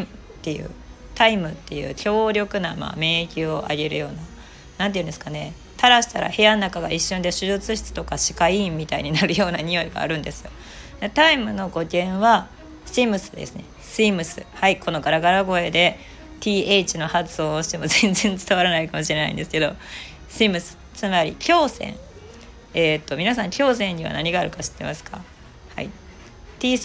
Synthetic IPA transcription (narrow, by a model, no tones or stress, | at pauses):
t̪ːe̞jɯ̟̰ː | t̪aimɯ̟t̪ːe̞jɯ̟̰ːkʲo̞ːɾʲo̞kɯ̟nama̰ːme̞ːkʲio̞ʔa̰ɡe̞ɾɯ̟̰jo̞ːna | nãnt̪eiɯ̟nd̪e̞sɨ̥kane̞ | t̪aɾaɕi̥t̪aɾa̰he̞janːakaɡaiɕːõnd̪e̞ɕɨzɨt͡sɨɕi̥t͡sɨ̥t̪o̞kaɕi̥kaimːʲit̪aḭɲ̟inaɾɯ̟jo̞ːnaɲ̟ijo̞iɡa̰ːɾɯ̟̃nd̪e̞sɨ̥jo̞̰ | d̪et̪aimɯ̟no̞ɡo̞kʲẽ̞ɰ̃βa | simɯ̟sɨ̥d̪ḛsɨne̞̰ | sɨimɯ̟sɨ̰haikʰo̞no̞ɡaɾaɡaɾaɡo̞e̞d̪e̞ | t̪ʲiːeit͡ɕino̞hat͡sɨso̞ːɕi̥t̪emo̞zẽnd͡zẽ̞nt͡sɨ̥t̪aβaɾanaikamoɕiɾe̞na̰ḭ̃nd̪e̞sɨ̥ke̞d̪o̞ | simɯ̟sɨ̥ | t͡sɨmaɾʲḭkʲo̞ːsẽ̞̰ɴ | eːt̪ːo̞mʲinasãŋkʲo̞ːs̬ẽ̞ɲ̟ɲiβa̰naɲ̟iɡaːɾɯ̟kaɕi̥t̪ːe̞masɨ̥ka̰ | ha̰i | t̪ʲiː